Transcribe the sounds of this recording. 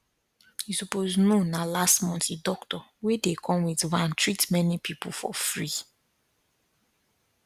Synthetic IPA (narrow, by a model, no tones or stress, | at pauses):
hisupoznonalastmɔ̃ntidɔktɔwedekʰɔ̃mwidɹãntʰɹitmɛnipʰipulfɔ̰fɹi